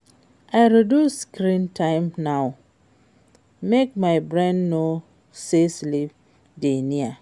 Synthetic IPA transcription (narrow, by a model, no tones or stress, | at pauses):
aɪɾoduskɾĩntʰãɪmnaʊ | mek̚maɪbɾẽnːo | seslip̚ | denia